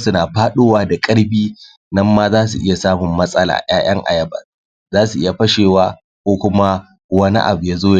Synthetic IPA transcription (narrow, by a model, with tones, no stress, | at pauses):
sʊ˨naː˨ɸaː˦ɗoː˦waː˦da˨kʼɐ˦ɽbiː˦ | nɐ˦mːa˦zaː˦su˨ʔɪ˦ja˨saː˦mʊ˨mːɐ˦sʼɐ˦la̰ː˨j̰aː˦j̰ɐ˦ŋʔa̰˨jɐ˦bɐ̰˨ | zaː˦su˨ʔɪ˦ja˨ɸɐ˦ʃeː˨waː˦ | kʷoː˦kʷʊ˦ma˦ | wɐ˦nḭ˦ʔa̰˨bu˨jaː˦zoː˦j